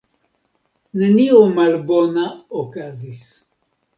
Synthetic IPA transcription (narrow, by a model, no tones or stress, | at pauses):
neniomalbo̞naokazis